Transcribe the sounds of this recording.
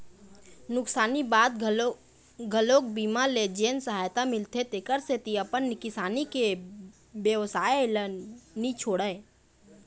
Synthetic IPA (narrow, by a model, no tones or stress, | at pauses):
nʊksaːnibaːd̪ | ɡʱəloːk̚biːmaled͡ʒeːnsəɦaːjt̪amɪlt̪ʰet̪ekəɾset̪iəpənnɪkɪsaːnike | bjəʋsaːelənit͡ʃʰoːɽəe